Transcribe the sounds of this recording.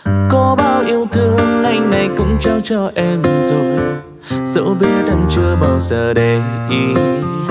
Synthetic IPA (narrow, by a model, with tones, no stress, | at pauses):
kɔ˨˦ɓaː˧wʔi˧əwt̪ɨ˧əŋːa˧˩jŋna˨˩jkʊ̰˧˥ŋ͡mt͡ɕa˧wt͡ɕɔ˧ʔɛ˧mzʊ˧˩ | z̥ə̰˧˥ɓi˦ət̚a˧˩mt͡ɕɨ˧əɓa˨˩wzəː˨˩ɗe˨˩ʔi˧